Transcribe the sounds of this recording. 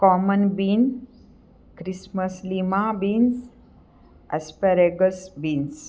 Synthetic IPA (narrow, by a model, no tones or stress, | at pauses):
kɔmənbiːn | kɾisməslimabins | ə̰speɾeɡəsbiːns